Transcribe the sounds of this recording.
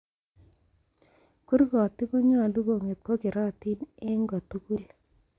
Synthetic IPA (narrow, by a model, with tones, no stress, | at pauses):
ku˦rkɔ˨ti˦ko˦ɲɔ˨du˦ko˨ŋe˨t̪̚ko˦kɪ˨ɾɔː˦ti˦nɛ˦ŋɡɔ˨tu˦ku˦l